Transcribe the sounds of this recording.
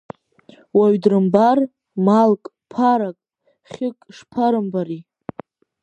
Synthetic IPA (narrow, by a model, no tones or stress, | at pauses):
waɥdrɨmbar | malkʼ | pʰaɾakʼ | χʲɪkʼʂpʰaɾɨmbaɾi